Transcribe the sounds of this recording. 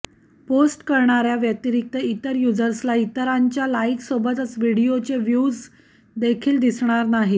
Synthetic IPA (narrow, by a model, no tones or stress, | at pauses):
posʈkəɾɳ̃aɾjaʋjət̪iɾik̚t̪əit̪əɾjud͡zəɾslait̪əɾaɲt͡ɕjalaiksobət̪ət͡sʋiɽijot͡ɕeʋjud͡z | d̪ekʰiːld̪isɳ̃aɾnaɦi